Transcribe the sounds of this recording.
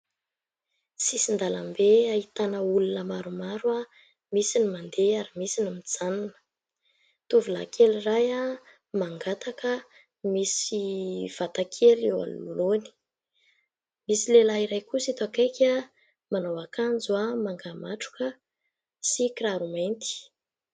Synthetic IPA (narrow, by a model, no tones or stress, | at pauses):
sisind̪alambeait̪anəulunəmaɾumaɾa | misinimand̪eaɾimisinimid͡z̥ananə̥ | t̪uvula̰kʰeliraja | maŋɡat̪akə | misiv̥at̪akʰelewa̰n̰luloni̥ | misilelaiɾajkusit̪oakajkʲa | manawakand͡zuamaŋɡamaʈ͡ʂu̥kə | sikraɾument̪i̥